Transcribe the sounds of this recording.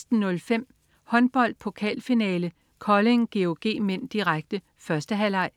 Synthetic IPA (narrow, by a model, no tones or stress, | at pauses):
sd̥n̩nɔ̽lfem̰ | hɒ̽nb̥ɒ̽l̰d̥̚pʰo̝kʰɛ̰ːlfinɛːlə | kʰɒ̽le̝ŋɡ̥e̝o̝ɡ̥e̝̰ːmen̰d̥iʁaɡ̥d̥ə | fɶɐsd̥əɦælɑ̈ɪ̰